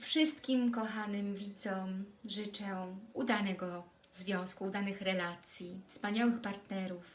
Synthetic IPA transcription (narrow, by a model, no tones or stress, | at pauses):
fʂɘst̪kʲimkɔxanɘmvʲid̪zɔmʐɘt͡ʂɛud̪anɛɡɔ | zvʲjɔ̃w̃skud̪anɘxɾɛlat̪sʲjifspaɲawɘxpaɾt̪nɛɾuf